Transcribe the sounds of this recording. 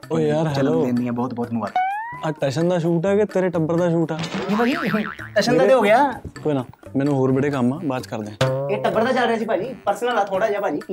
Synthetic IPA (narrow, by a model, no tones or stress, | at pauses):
oːjaːɾɦɛloːeːnd̪ijãːbɔːt̪̚bɔːt̪mʊʋa̰ːt̪ːəʈɛːʃənd̪aːʃ̬uːʈ̬ɛːkeːt̪eːɾeːʈəbəɾd̪aːʃ̬uːʈɛːiaːɡiʈɛːʃənd̪aːeːɦoːɡɪjaːkoːinãːmɛ̃ːnũːɦoːɾbəɽeːkəmːaːbaːt͡ʃkəɾd̪eːãeːʈəbːəɾd̪aːt͡ʃəlɾeaːsiːpaːd͡ʒiːpəɾsəlaːlaːt̪ʰoːɽaːd͡ʒaːpaːd͡ʒiː